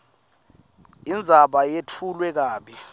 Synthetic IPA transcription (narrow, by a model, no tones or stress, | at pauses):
ind͡zʱaɓajetʰulwɛk̬aːɓi